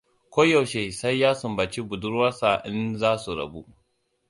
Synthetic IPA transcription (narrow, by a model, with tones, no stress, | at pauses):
kʷo˦ja˨wʃe˨sa˦jːaː˦sʊ˨mba˨t͡ʃi˦bʊ˨dʊ˦ɾwɐ˦sa˨ʔɪ˦nzaː˦su˨ɾɐ̰˨bu˦ʔ